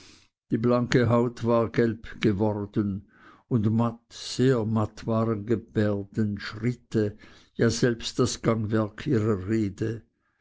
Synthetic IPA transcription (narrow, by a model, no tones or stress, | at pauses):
d̥iːblaŋkəɦaʊtv̥aːʁɡɛlpɡ̥əvɔʁdən | ʊndmatz̥eːɐmatvaːʁənɡəb̥ɛːɐdənʃʁɪtʰə | jaːzɛlpstd̥asɡ̥aŋvɛɐkʰʔiːʁɐʁeːdə